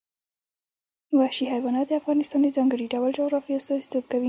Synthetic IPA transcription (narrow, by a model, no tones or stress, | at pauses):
wahʃiɦajbɑnɑd̪əafɣɑnɪst̪ɑnd̪əzɑŋɡəɽiɖawəld͡ʒʊɣɾɑfijɑst̪ɑzi̥t̪ob̚kawi